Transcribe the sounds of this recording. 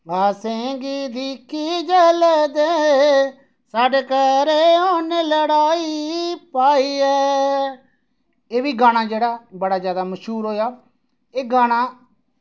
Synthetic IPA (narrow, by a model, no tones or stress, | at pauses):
baːsẽːɡiːd̪iːkʰiːd͡ʒɛːlɛːd̪eː | saːɖeːkɛːɾeːoːneːləɽaːiːpaːiːɛː | eːbiːɡaːɽ̃ãːd͡ʒeːɽaːbəɽaːzjaːd̪aːməʃɦuːɾɦoːjaː | eːɡaːɽ̃ãː